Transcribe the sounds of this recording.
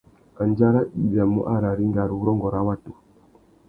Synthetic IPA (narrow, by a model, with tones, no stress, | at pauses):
a˨nd͡ʒa˦ɾa˦ɗi˨ɗa˨mṵ˦ʔa˦ɾa˨ɾi˦ŋɡa˨ɾu˨˦ɾɔ˦ŋɡɔ˨ɾa˦wa˦tu˨